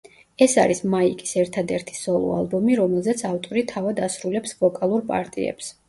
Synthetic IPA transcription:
ɛsa̰ɾismaikʼi̥sɛɾt̪ʰad̪ɛɾt̪ʰi̥sɔlˠɔ̰a̰lˠbɔmiɾɔmɛlˠzɛt̪sʰaft̪ʼɔɾit̪ʰavad̪asɾulɛpsvɔkʼalˠuɾpʼa̰ɾt̪ʼḭɛ̰ps

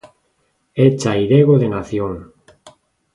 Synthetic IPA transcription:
et͡ʃaiðeɣoðenaθjoŋ

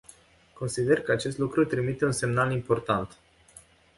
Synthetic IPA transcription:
ko̞nsid̪e̞rkəat͡ʃe̞s̬t̪lukɾut̪ɾimit̪e̞unse̞mnalimpo̞rt̪ant̪

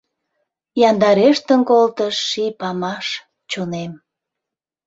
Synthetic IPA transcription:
jɑnd̪ɑɾeʃt̪ənkolt̪əʃːipɑmɑʃ | t͡ɕonem

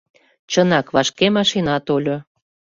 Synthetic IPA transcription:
t͡ɕənɑkβɑʃkemɑʃinɑt̪olʲo

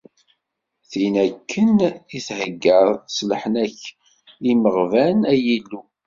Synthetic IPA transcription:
θinækʰːəniθhəɡːəɾslħnæç | iməʁvænæjilːu

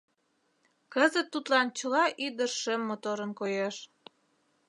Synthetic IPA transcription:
kəzət̪ːut̪lɑnt͡ɕə̆lɑʔyd̪ərʃemːot̪oɾənkojeʃ

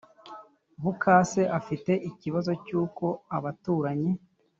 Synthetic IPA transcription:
βukʰaːse̞ʔafite̞ʔiciβazo̞cuːko̞aβatuːɾaɲi

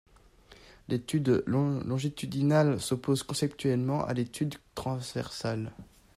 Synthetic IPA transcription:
lʔet̪yd̪lɔ̃ʒit̪yd̪inalsɔpozkɔ̃sɛpt̪ʰɥɛlmɑ̃ʔa̰let̪ʰyd̪t̪χɑ̃zvɛ̰ʁsal

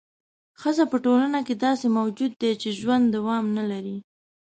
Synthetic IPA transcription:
xəzapəʈolanaked̪ɑsemawd͡ʒud̪ːet͡ʃeʒwand̪ːawɑmnalaɾi

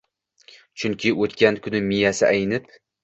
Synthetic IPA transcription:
t͡ʃʰʊŋkʲʰɪʔot̪kʲankʰʊnɪmijasɪʔajnɪp

